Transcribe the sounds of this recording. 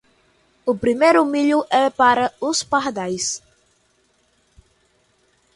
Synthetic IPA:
upɾimejɾumiʎuʔɛpaɾɐuspahd̪ajs

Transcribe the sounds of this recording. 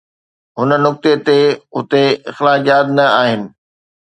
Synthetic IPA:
ɦʊnə̆nʊk̚t̪et̪eʊt̪eɪxlaːd͡ʑaːd̪nɐaːɦɪnɪ̆

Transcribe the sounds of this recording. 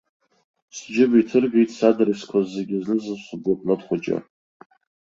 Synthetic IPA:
sd͡ʒɪbitʰɨrɡejtʼsadaɾiskʷʰazːeɡʲɪznɨzɨsʷʊblapʰʼnɨtχʷad͡ʒa̰

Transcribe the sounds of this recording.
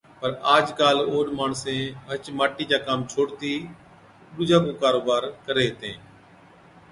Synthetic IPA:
pəɾaːd͡ʒkaːloːɗmaːɳsẽːɦət͡ʃmaːʈiːd͡ʒaːkaːmt͡ʃʰoːɽt̪iː | ɗʊd͡ʒaːkõːkaːɾoːbaːɾkəɾeːɦt̪ẽː

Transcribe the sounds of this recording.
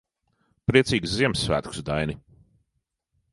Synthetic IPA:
pɾiɛsiːɡsziɛmsːvæ̰ːt̪ksd̪ajni

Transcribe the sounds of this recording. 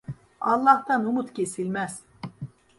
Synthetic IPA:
ɑlˠːɑht̪anumut̪cʰe̞silʲmæz̥

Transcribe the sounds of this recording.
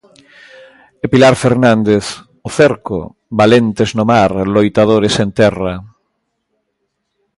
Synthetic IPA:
epilaɾfeɾnãnd̪eθ | oθeɾko̰ | balent̪eznʊmaɾlojt̪aðoɾesent̪ɛrɐ

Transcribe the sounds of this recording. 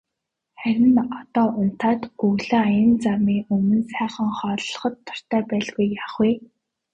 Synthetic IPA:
χæɾʲɪ̆nɔt̪ɔːʔʊn̥t̪aːt̪ɵɣɮɘ̆ajə̆nt͡samiːɵmɵ̆nsæːχə̆ŋχɔːɮɞ̆χɞ̆t̪ʰːʊ̥r̥t̪ʰæːpæːɮɣujːaːχwiː

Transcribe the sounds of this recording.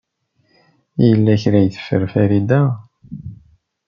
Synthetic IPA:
ijəlːæçɾæjθə̥fːə̰ɾfæɾid̪æ

